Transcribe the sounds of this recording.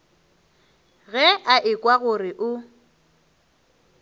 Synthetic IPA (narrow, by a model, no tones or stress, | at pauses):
ɣɛʔaʔɪkʼwaɣʊrɪʔʊ